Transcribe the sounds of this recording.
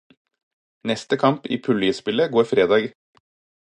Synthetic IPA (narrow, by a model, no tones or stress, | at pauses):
nɛst̪əkʰɑmpḭːpʰʉlʏəspɪləɡoːɾfɾeːd̪ɑːɡ